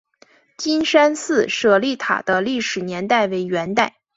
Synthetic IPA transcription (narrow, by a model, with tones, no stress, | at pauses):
t͡ɕi˥nʂa˥nsɹ̩˥˩ʂɤ˥˩li˥˩t̪ʰa̰˨˩d̪̥ə˦li˥˩ʂɻ̩˨˩njɛ˧˥nt̪a˥˩ɪwe˧˥ɪɥɛ˧˥nt̪a˥˩ɪ